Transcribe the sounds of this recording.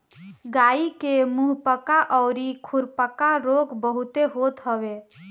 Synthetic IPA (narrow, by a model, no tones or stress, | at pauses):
ɡaikemuɦpəkaʔəʊɾikʰuɾpəkaɾoɡbəɦut̪eɦot̪ɦəbe